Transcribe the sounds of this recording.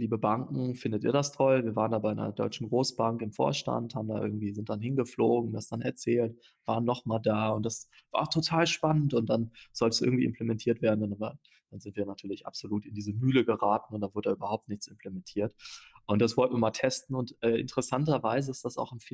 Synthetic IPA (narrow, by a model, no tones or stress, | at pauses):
liːbəbaŋkŋ̩fɪndətḭːɐɾastʰɔlviːɐvaːʁəndaːbaɪnɐ̰dɔ̰ʏt͡ʃn̩ɡʁoːsb̥aŋkɪmfo̰ːɐʃta̰nthaːbmndaːʔɪ̰ɐɡŋ̩tv̥iːzɪntd̥anɦɪnɡəfloːɡŋ̩dasd̥anɛɐt͡sɛːlt | v̥aːʁənːɔχmaːldaːʊntd̥asv̥aːʊtʰotʰaːlʃpanəntʊnt̚d̥anz̥ɔltəsɪ̰ɡŋ̩tv̥iːʔɪmpʰlemɛntʰiːɐtv̥eːɐdn̩n | d̥anzɪntv̥iːɐnatʰyːɐlɪça̰pz̥oluːtɪndiːzəmyːləɡəʁaːtn̩ʊntd̥anvʊɐdədaːʔyːbɐhaʊp̚tnɪçt͡sɪmpʰlemɛntʰiːɐtʔʊnt̚d̥asv̥ɔltn̩viːɐmaːltʰɛstn̩ʊntʔɛːʔɪ̰ntəʁəsantɐvaɪzəɪstd̥asa̰ʊxɪnf